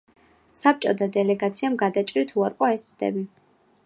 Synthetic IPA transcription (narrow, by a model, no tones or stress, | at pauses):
sap̚t͡ʃʼɔd̪ad̪ɛlɛɡat̪sʰiamɡad̪at͡ʃʼɾit̪ʰuaɾqʼɔɛst̪sʰd̪ɛ̰bi